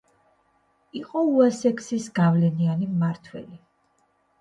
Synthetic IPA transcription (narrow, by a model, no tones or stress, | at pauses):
iqʼɔuasɛkʰsisɡavlɛnianimaɾt̪ʰwɛ̰li